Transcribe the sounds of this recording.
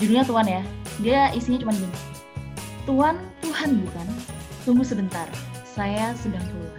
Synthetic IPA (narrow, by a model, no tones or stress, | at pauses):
d͡ʒudiɲat̪uanjadiaʔisiɲat͡ʃumanɡin | t̪uant̪uhanbukant̪uŋɡusəbənt̪arsajasədaŋt̪uuka